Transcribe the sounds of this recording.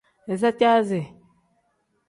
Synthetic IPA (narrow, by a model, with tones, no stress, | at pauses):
e˨s̬a˦ta˦ze˨